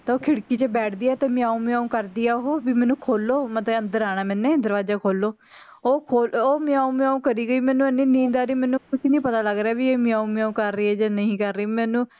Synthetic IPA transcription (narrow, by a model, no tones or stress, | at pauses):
t̪aoːkʰɪɽkiːt͡ʃəbɛːʈʰd̪iːɛːt̪eːmɪ̃ãːũːmẽãːũːkəɾd̪iːaːɦoːbiːmɛ̃ːnũːkʰoːlːoːmət̪əə̃nd̪əɾaːɽ̃aːmɛ̃ːnːẽːd̪əɾʋaːd͡ʒaːkʰoːlːoː | oːkʰoːloːmẽãːũːmẽãːũːkəɾiːɡəiːmɛ̃ːnũːənĩːnĩːd̪aːɾiːmɛ̃ːnũːkʊsiːnĩːpət̪aːləɡɾaːbiːeːmɪãːũːm̃ãːũːkəɾːiːɛːd͡ʒaːnəĩːkəɾːəiːmɛ̃ːnũː